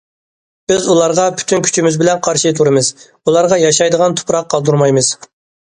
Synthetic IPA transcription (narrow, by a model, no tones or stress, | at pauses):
b̥ɪzulˠɑɾʁɑpʰy̥t̪ʰynkʲʰy̥t͡ʃʰimɪzbɪlɛnqʰɑɾʃɨt̪ʰuɾɨmɨz̥ | ulˠɑɾʁɑjɑʃɑjd̪əʁɑnt̪ʰʊ̥pɾɑqʰːɑlˠd̪uɾmɑjmɨz̥